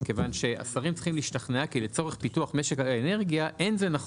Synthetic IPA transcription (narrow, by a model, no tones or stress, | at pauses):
kevanʃe̞ʔa̰saʁimt͡si̥χimliːʃtaχneakile̞t͡so̞ʁeχpituaχme̞ʃe̞kalene̞ʁɡijaʔe̞nzenaχ